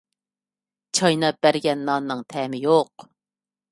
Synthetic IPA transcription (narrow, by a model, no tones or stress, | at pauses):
t͡ʃʰɑjnɑb̥æɾɡʲɛnːɑːnːɨŋt̪ʰɛːmɪjoq